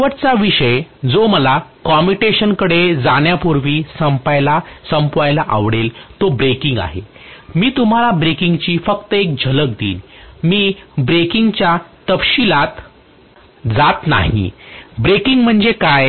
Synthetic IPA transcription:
ʋəɾt͡saʋiʂəjd͡zoməlakɔmiʈeɕənkəɽed͡zaɳjapuɾʋiːsəmpajlasəmpʋajlaʔaʋɽelt̪obɾekiŋɡa̰ɦemiːt̪um̤alabɾekiŋɡt͡ɕiːfəkt̪əek̚d͡ʑʱələk̚d̪ḭːnmiːbɾekiŋɡt͡ɕjat̪əfɕilat̪ | d͡zat̪na̰ɦḭbɾekiŋɡm̤əɳd͡zekaj

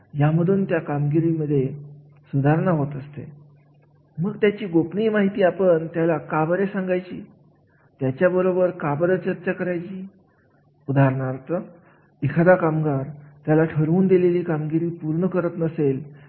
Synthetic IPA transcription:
jaməd̪ʱuːnt̪jakamɡiɾiːməd̪ʱːje | sud̪ʱaɾɳaɦot̪əst̪ḛ | məɡt̪jat͡ɕiːɡopɳiːmaɦit̪iːapəɳt̪jalakabəɾesãŋɡajt͡ɕiː | t̪jat͡ɕjabəɾobəɾkabəɾət͡ɕəɾt͡ɕakəɾajt͡ɕiː | ud̪ʱaɾɳaɾt̪ə | ikʰad̪akamɡaɾt̪jalaʈʰəɾuːnd̪ileliːkamɡiɾiːpuɾɳəkəɾət̪nəsel

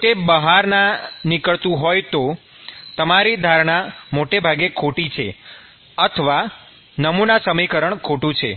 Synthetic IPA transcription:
ʈebəɦaɾnanikəɭt̪ũɦojt̪o | t̪əmaɾid̪ʱaɾɳamoʈebʱaɡekʰoʈit͡ʃʰḛ | ət̪ʰəʋa | nəmunasəmikəɾəɳkʰoʈũt͡ʃʰḛ

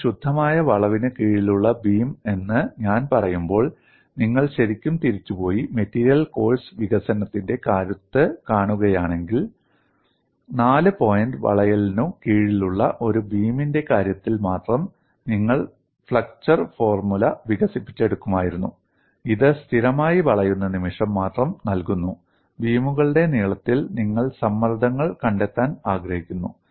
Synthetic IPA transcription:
ɕud̪ʱːɐmaːjɐʋɐɭɐʋinɨkiːɻiluɭːɐbiːme̞nːɨɲaːnpɐrɐjumbo̞ːɭ | niŋːɐɭɕɐɾikʲːumt̪iɾit͡ɕːupo̞ːjime̞tːiːɾijɐlko̞ːɭsʋiɣɐsɐnɐt̪ːinde̞kaːɾut̪ːɨkaːɳuɣɐjaːɳe̞ŋɡil | naːlɨpo̞ːjɐnɖʋɐ̰ɭɐjɐlnumkiːɻiluɭːɐʔo̞ɾubiːminde̞kaːɾjɐt̪ːilmaːt̪rɐm | niŋːɐɭ | fɭɐk̚t͡ɕɐrfo̞ːrmulɐʋiɣɐsipːit͡ɕːe̞ɽukːumaːjiɾunːu | iðɨst̪ʰiɾɐmaːjiʋɐɭɐjunːɐnimiʂɐmːaːt̪rɐmnɐlkunːu | biːmuɣɐɭɨɽe̞niːɭɐt̪ːilniŋːɐɭsɐmːɐrd̪ʱɐŋːɐɭkɐɳɖe̞t̪ːaːnaːɡɾɐhikʲːunːu

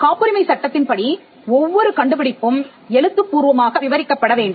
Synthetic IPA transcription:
kaːpːɯɾɪmɐɪsɐʈːɐt̪ːɪnpɐɽi | ɔʋːɔɾɯkɐɳɖɯpɪɽɪpːɯm | ɛɻɯt̪ːɯpːuːɾʋɐmaːɣɐʋɪʋɐɾɪkːɐpːɐɽɐʋeːɳɖɯm

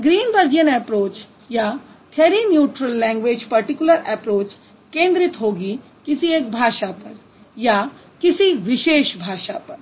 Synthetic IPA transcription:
ɡɾiːnbəɾɡijənɛːpɾoːt͡ʃ | ja | t̪ʰɛːɾinjuːʈɾəlːɛ̃ːŋɡʋeːd͡ʒpɐɾʈikʊləɾɛpɾoːt͡ʃ | kẽːnd̪ɾɪt̪ɦoːɡi | kɪsieːk̚bʱaːʃapɐɾ | ja | kɪsiʋɪʃeːʃbʱaːʃapɐɾ

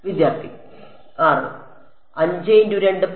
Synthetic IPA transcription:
ʋid̪jaːrt̪ʰi | kaːrɐ̰ɳṵm | ɐɲd͡ʑɐjinduɾeɳɖɨp

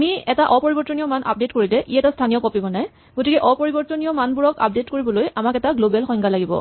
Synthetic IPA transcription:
amiɛtaʔɔpoɹibɔɹtɔnijɔmanʔa̰p̚detkoɹilɛʔiɛtastʰanijɔkɔpibɔnaj | ɡotikɛʔɔpoɹibɔtɔnijɔmanbuɹɔka̰p̚detkoɹibɔlojamakɛtaɡlobɛlxɔjŋɡʱalaɡibɔ̰

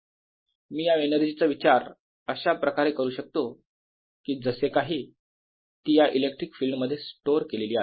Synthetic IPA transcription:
miːjaenəɾd͡ʑit͡səʋit͡ɕaɾ | əɕapɾəkaɾekəɾuːɕək̚t̪o | kiːd͡zəsekaɦiː | t̪ijaʔilek̚ʈɾikfilmːəd̪ʱːjesʈoɾkeleliːa

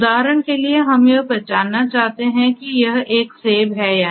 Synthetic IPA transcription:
d̪aːɾəɽ̃kelieɦɐmjɐɦpɾɐt͡ʃaːnːat͡ʃaːɦt̪eɦɛ̃kijɐɦeːkseːbɦɛjaː

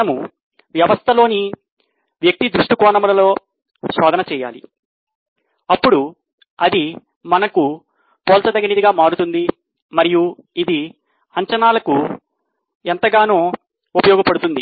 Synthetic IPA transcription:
ɐmu | ʋjɐʋɐst̪ʰɐlo̞ːni | ʋjɐk̚t̪id̪ɾuʂʈikɔːɳɐmulɐlo̞ː | sɔːd̪ɐnɐt͡ʃɛːja̰ːlḭ | ɐpːuɽu | ɐd̪i | mɐnɐku | poːlt̪ɐd̪ɐɡɐnɐd̪iɡaːmaːɽut̪und̪i | mɐɾiju | id̪i | ɐɲt͡ʃɐnaːlɐku | ent̪ɐɡaːnoː | upɐjɔːɡɐpɐɽut̪und̪i

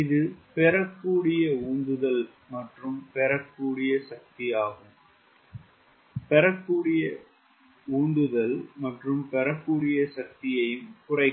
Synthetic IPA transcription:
ɪðɯpɛɾɐkːuːɽɪjɐuːnd̪ɯðɐl | mɐʈrɯmpɛɾɐkːuːɽɪjɐsɐk̚t̪ɪjaːɣɯm | pɛɾɐkːuːɽɪjɐ | uːnd̪ɯðɐlmɐʈrɯmpɛɾɐkːuːɽɪjɐsɐk̚t̪ɪjɐjɯmkʊrɐɪ

